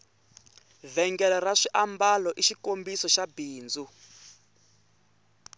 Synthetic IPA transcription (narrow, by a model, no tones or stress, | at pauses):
vɛŋɡɛlɔraʂiʔambalɔʔiʃikombisɔʃabiːnd͡zu